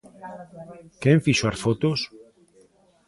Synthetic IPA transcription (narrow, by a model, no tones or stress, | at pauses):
keɱfiʃoaɾfot̪os